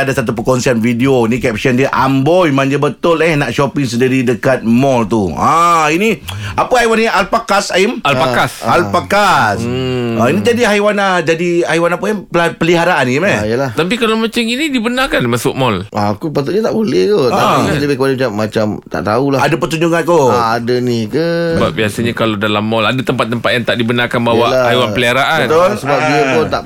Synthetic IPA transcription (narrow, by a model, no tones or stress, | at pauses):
adasat̪̬upəkɔnsianfideoinikɛp̚səndiəʔambɔjmaɲd͡ʒəbət̪ʊlɛhnaʔʃɔpɪŋs̬ədiɾidəkat̪̚mɔlt̪uainiapəajwanialpakasaimalpakasalpakasainid͡ʒadiɦajwanad͡ʒadiajwanapəppəliɦaɾaʔanimaijəlaht̪ap̬ikalawmat͡ʃaminidibənakanmasʊk̚mɔlakupat̪ʊtɲat̪aʔbolɛht̪ot̪aləbɪhkəbaləmat͡ʃamːat͡ʃamt̪a̰ʔt̪aulahadapət̪uɲd͡ʒuŋãnkoːdanikasəba̰p̚biasaɲakaladalamːɔladat̪əmpat̪̚ːəmpat̪̚jaŋt̪aʔdibənakanbawaaajwanəliɦaɾaʔant̪olsəbapiaʊnt̪aʔ